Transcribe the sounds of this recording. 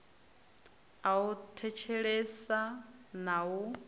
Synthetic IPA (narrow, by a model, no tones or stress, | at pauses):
autʰɛt͡ʃʰɛɺesanau